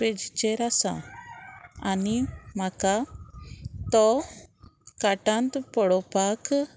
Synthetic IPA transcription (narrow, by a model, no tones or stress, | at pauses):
ed͡ʒt͡ʃɛɾasa̰ | animaka | t̪ɔ | kaʈant̪pɔɽɔpak